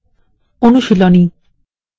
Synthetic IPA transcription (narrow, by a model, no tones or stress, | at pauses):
onuʃilɔni